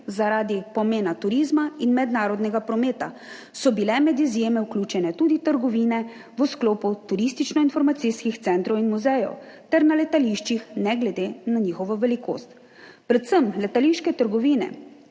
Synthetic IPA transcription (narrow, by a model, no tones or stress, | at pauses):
zaɾaːd̪ipɔmeːnat̪uɾizmainmɛd̪naːɾɔd̪nɛɡapɾɔmeːt̪a | sɔbilɛmɛd̪izjeːmɛwklʲuːt͡ʃɛnɛt̪uːd̪it̪əɾɡɔʋiːnɛ | ʋəskloːput̪uɾist̪it͡ʃnɔinfɔɾmat̪siskixt̪sɛnt̪ɾɔwinmuzɛjɔ̰wt̪ɛɾnalɛt̪aliʃt͡ʃixnɛɡlɛd̪enaɲiːxɔʋɔʋɛliko̰ːst̪ | pɾɛt̪səmlɛt̪aliʃkɛt̪əɾɡɔʋiːnɛ̰